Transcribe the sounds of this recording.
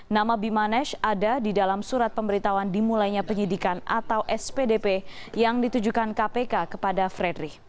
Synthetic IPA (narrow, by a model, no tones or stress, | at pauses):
namabimanɛʃadadidalamsuɾat̪̚pəmbəɾit̪awandimulajɲapəɲidikanʔa̰t̪awʔɛspedepejaŋdit̪ud͡ʒukankapekakəpadafɾɛdɾi